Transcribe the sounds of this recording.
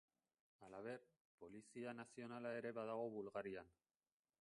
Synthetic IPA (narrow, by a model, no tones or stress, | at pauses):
alaβ̞e̞ɾ | po̞lisianasio̞nalae̞ɾe̞βaðaɣ̞o̞βulɣaɾian